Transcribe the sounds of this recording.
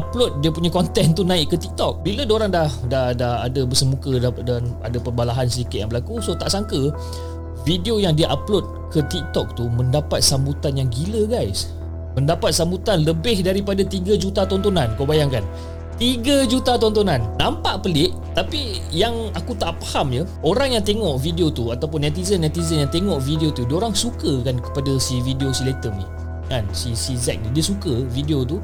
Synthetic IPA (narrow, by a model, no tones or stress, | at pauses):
aplot̪̚diəpuɲakɔnt̪ɛnt̪unãɪʔkət̪ik̚t̪ɔk̚bilədoɾaŋdahdahdaha̰dabərsəmukədadana̰dapərbalaɦansədikɪt̪̚ja̰ŋbəlakusot̪aʔsaŋkə | fidiojaŋdiʔaplot̪̚ | kət̪ik̚t̪ɔk̚t̪uməndapat̪̚sambut̪anjaŋɡiləɡajs | məndapat̪̚sambut̪anləbɪhdaɾipadat̪iɡəd͡ʒut̪at̪ɔnt̪onankawbajaŋkan | t̪iɡəd͡ʒut̪at̪ɔnt̪onanːãmpaʔpəlɪʔ | t̪api | jaŋakut̪aʔpḁhamjə | oɾaŋjaŋt̪eŋɔʔvidiot̪uat̪awp̬ʊnːɛt̪izənat̪izənjaŋt̪eŋɔʔvidiot̪udioɾaŋsukəkankə̥padasividiosilet̪əmnih | kansisizɛ̰k̚nidiəsukəvidiot̪u